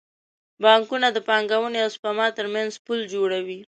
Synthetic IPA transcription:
bɑŋkunad̪əpɑŋɡawəneaspamɑt̪əɾmanzpuld͡ʒoɽawi

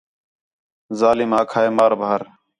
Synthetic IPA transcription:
zaːliːmaːkʰaːeːmaːɾbʱaːəɾ

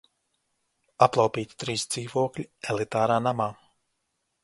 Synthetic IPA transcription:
aplˠawpʲiːt̪ʲi̥t̪ɾiːsd̪z̥iːvuɔklʲielˠit̪aːɾaːnamaː

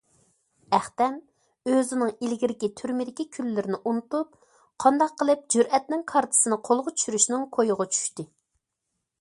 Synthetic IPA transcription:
æχt̪ɛm | øzɪnɨŋilɡʲiɾɪkʲit̪ʰyɾmɪd̪ɪkʲikʲʰylːɪɾɪnɪʔunut̪up̚ | qʰɑnd̪ɑqʰːəlˠɨp̚d͡ʒyɾɛt̪nɪŋkʰɑɾt̪ʰɨ̥sɨnɨqʰolˠʁʊt͡ʃ̪ʰy̥ʃyɾyʃnɪŋkʰojʊʁɑt͡ʃʰy̥ʃt̪ɪ

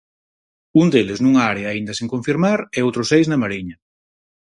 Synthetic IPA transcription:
und̪eleznuŋaaɾeaːind̪asẽŋkoɱfiɾmaɾɛowt̪ɾosejznamaɾiɲɐ

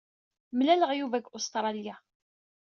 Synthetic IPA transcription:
mlæləʁjuvæɡʊst̪ɾˤɑlija

